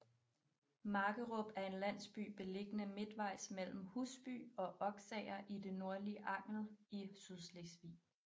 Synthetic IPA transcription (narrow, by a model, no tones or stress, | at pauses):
mɑ̈ːɡ̥əʁɔb̥æɐe̝nlæn̰sb̥y̰ːb̥e̝le̝ɡ̥ənəme̝d̥ʋɑ̈ɪ̰smel̰m̩husb̥y̰ːɒ̽ʔɒ̽ɡ̥sɛɪɐʔide̝no̝ɐliəʔɑ̈ŋ̰l̩isyðˠslesʋḭː